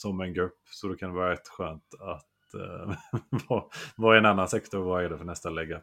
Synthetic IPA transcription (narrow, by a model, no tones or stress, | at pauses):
sɔmɛnɡɾɵpːsɔd̪ɛkʰand̪ɛvɑːɾaɾɛt̪ːɧøːnt̪at̪ | vɑvɑːɾaɛnanːansɛkt̪ɔɾvaɛɖɛfœɳɛst̪alɛɡːa